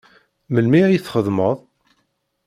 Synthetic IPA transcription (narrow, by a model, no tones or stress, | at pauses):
məlmiʕjθχəðməðˤ